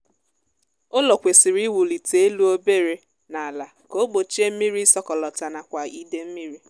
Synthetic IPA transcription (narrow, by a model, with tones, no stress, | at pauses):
o˦lɔ˨kʷe˨sɪ˨ɾi˦wu˨li˨te˨e˦lu˦o˦be˦ɾe˨ | na˨a˨la˨ | ko˦ɡ͡bo˨t͡ʃe˦m̩˦mi˦ɾi˦sɔ˦kɔ˨lɔ˨ta˨na˨kʷa˨i˦de˦m̩˦mi˦ɾi˦